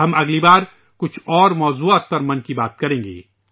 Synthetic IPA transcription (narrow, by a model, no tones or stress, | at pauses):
ɦɐmɐɡlibaːɾ | kʊt͡ʃʰɔːɾmɔːzuaːt̪̚pɐɾmɐnkibaːt̪̚kɐɾẽːŋɡḛː